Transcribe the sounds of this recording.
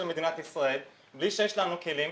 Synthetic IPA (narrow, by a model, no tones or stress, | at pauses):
elmed̪inat̪isʁae̞l | bliʃejeʃlanuke̞lim